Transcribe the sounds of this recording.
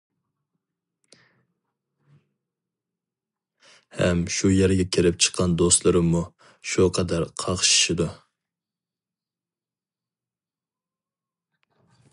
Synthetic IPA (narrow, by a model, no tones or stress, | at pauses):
hɛmʃujɛɾɡʲɛkʲʰeɾɪp̚t͡ʃʰə̥qʰːɑnd̪ost̪lˠɨɾɨmu | ʃuqʰɑd̪æɾqʰɑʁʃʃɪd̪u